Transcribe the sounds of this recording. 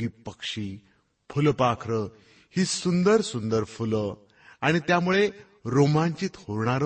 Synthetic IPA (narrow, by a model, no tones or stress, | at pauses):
iːpəkʂiː | fʰulpakʰɾə | hiːsund̪əɾsund̪əɾfulə | aɽ̃it̪jamuɭe | ɾomãɲt͡ɕiːt̪hoɾɳaɾ